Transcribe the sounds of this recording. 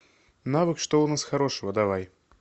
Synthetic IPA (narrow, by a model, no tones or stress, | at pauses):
navɨkʂt̪oʊnasxaɾoʂəvəd̪avaj